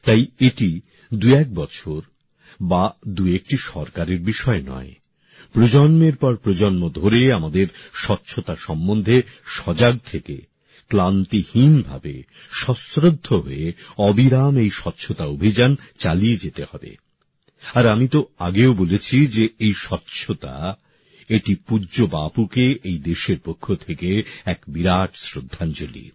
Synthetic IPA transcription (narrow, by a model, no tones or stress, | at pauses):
t̪ajeʈi | d̪uɛk̚bɔt͡ɕʰoɾ | bad̪uek̚ʈiʃɔɾkaɾeɾbiʃɔenɔ̰e | pɾod͡ʑɔnmeɾpɔɾpɾod͡ʑonmod̪ʱoɾeamad̪eɾʃɔtːɕʰot̪aʃɔmːond̪ʱeʃɔd͡ʑaɡ̚t̪ʰeke | klant̪ihinbʱa̰bḛ | ʃɔsɾod̪ʱːoɦo̰eɔbiɾamejʃɔtːɕʰot̪aobʱid͡ʑan | t͡ɕalied͡ʑet̪ehɔbḛ | aɾamit̪oaɡeobolet͡ɕʰid͡ʑeejʃɔtːɕʰot̪a̰ | eʈipuːd͡ʑobapukeʔejd̪eʃeɾpokʰːot̪ʰekeɛkbiɾaʈsɾod̪ʱːand͡ʑolḭ